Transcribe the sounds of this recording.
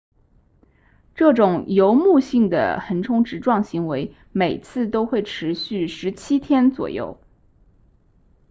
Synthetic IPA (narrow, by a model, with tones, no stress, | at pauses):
ʈ͡ʂɤ˥˩ʈ͡ʂʊ˨˩ŋjo˧˥ʊmu˥˧ɕi˥˩ŋd̪ə̰˩xə˧˥nʈ͡ʂʰʊ˥ŋʈ͡ʂɻ̩˧˥ʈ͡ʂwɑ˥˩ŋɕi˧˥ŋwe˧˥ɪ | me˨˩ɪt͡sʰɹ̩˥˩t̪o˥ʊxwe˥˩ɪʈ͡ʂʰɻ̩˧˥ɕy˥˩ʂɻ̩˧˥t͡ɕʰi˥t̪ʰjɛ˥nt͡swɔ̰˨˩jo̰˥˩ʊ